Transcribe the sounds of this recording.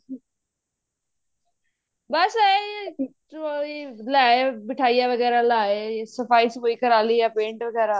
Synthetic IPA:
bɐsaːeje | ojelaːebɪʈʰaːijaʋɐɣɛːɾalaːejesɐfaːisepoːikɐɾaːlijapẽːɳʈʋɐɣɛːɾa

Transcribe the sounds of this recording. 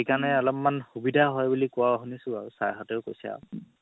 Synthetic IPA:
ikanɛɔlɔmmanxubidʱaɦɔjbulikʊaɦunisʊaɹusaɹɦɔtɛʊkojsɛa̰ʊ

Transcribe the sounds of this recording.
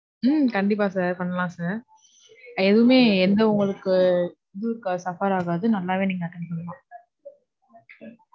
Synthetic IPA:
mkɐɳɖɪp̬ːaːsaːɾpɐɳːɐlãːsaːɾ | ɛðɯʋɯmeːɛnd̪ɐʊŋɡɐɭɯkːɯ | d̪ɯɯkːasɐfaɾaːɣaːðɯnɐlːaːʋeːniːŋɡɐɐʈːɐnɐpɐɳːɐlãː

